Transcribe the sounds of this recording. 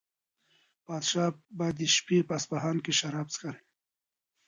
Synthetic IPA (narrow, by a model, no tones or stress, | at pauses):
pɑːd̪ʃɑːbad̪iʃpipaspaɦɑːnkeʃaɾɑːb̚t͡skaɾ